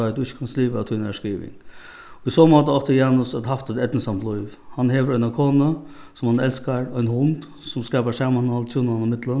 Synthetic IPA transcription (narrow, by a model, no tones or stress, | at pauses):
ad̪ʊɪçːə̥kʰanst̪liːʋat̪ʰunɛʂkiːʋɪ̰ŋ | ɔisɔːmɔːt̪aɔht̪əjaːnʊsat̪haft̪ɛt̪ɛt̪nəsamt̪lujʋ | hanɦeːʋəɾɔʏnakʰoːnə | sɔmhanɛlskaɹɔʏnhʊnd̪ | sʊmskɑːpaʂaːmanhɔlt̪ʰuːnanɪmɪt̪lən